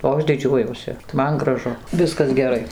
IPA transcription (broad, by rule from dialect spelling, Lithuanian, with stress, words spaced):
oː ˈɐʃ ˈdʲɪd͡ʒʲuɔjuɔsʲɪ ˈmɐn ɡrɐˈʒʊ ˈʋʲɪskɐs ɡʲɛˈrɐɪ